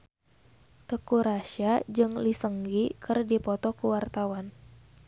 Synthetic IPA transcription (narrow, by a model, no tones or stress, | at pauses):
t̪əkuɾaʃad͡ʒɨŋlisəŋɡikɨrdipɔt̪ɔkuwart̪awan